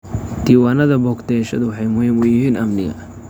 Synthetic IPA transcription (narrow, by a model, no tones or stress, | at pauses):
d̪̥iːwaːnɐðɐbɔːkt̪ʰɛːʃɐðʊwɑħɑjmʊhiːmʊjɪɦiːnɐmnɪɣɐ̰